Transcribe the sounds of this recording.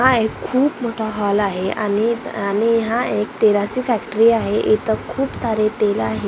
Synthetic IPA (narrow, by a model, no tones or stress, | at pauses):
ɦaekʰːuːpmoʈʰaɦɔlaɦea̰nianiɦãekt̪eɾasiːfɛkʈɾiːaɦeʔet̪əkʰuːpsaɾet̪elaɦe